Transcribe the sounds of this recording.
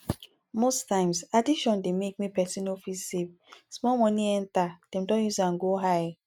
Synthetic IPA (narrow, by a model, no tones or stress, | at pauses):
mostãɪ̃msadiʃɔ̃ndemek̚mipɛsĩnofisːev | smɔlmɔniɛ̃ntad̥ɛ̃mdɔ̃njusãnɡoɦaj